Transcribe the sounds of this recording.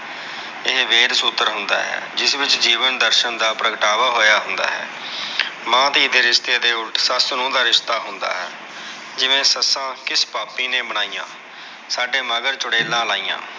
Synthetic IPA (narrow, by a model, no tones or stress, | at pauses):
ɪɦʋeːɾsuːt̪ːəɾɦʊnd̪a̰ːɦɛ̰ːd͡ʒɪsʋɪt͡ʃd͡ʒiːʋənd̪əɾʃənd̪aːpɾəkəʈaːʋaːɦoːjaːɦʊnd̪a̰ːɦɛ̰ː | mãːt̪iːd̪eːɾɪʃt̪eːd̪eːʊʈsaːsnũːd̪aːɾɪʃt̪aːɦʊnd̪a̰ːɦɛː | d͡ʒɪʋẽːsəsãːkɪspaːpːiːneːbəɽ̃aːijã̰ː | saːɖeːmaːɡəɾt͡ʃʊɽeːlãːlaːiːã̰ː